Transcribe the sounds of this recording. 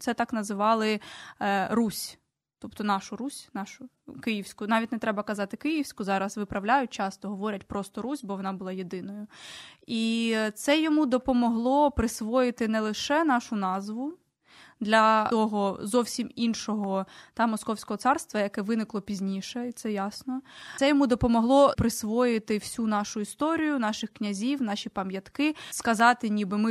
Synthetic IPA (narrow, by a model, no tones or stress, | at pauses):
sɛt̪ɑknɐzɪʋɑlˠɪ | rusʲ | t̪ɔpt̪ɔnɑʃʊɾusʲnɑʃʊ | kɪjiwsʲkʊnɑʋʲitʲnɛt̪ɾɛbɐkɐzɑt̪ɪkɪjiwsʲkʊzɑɾɐsʋɪpɾɐwlʲajʊt͡ʃɑst̪ɔɦɔʋɔɾʲɐtʲpɾɔst̪ɔɾusʲbɔʋɔnɑbʊlˠɑjed̪ɪnɔjʊit̪sɛjɔmud̪ɔpɔmɔɦlˠɔpɾɪsʋɔjɪt̪ɪnɛlˠɪʃɛn̪ɑʃʊnɑzʋʊ | d̪lʲɐɔɦɔzɔwsʲiminʃɔɦɔt̪ɑmɔskɔwsʲkɔɦɔsɑrst̪ʋɐjɐkɛʋɪnɪklˠɔpʲizʲnʲiʃɛit̪sɛjɑsnɔsɛjɔmud̪ɔpɔmɔɦlˠɔpɾɪsʋɔjɪt̪ɪw̥sʲunɑʃʊist̪ɔɾʲijʊnɑʃɪxknʲɐzʲiwnɑʃʲipɐmjɐt̪kɪskɐzɑt̪ɪnʲibɪmɪ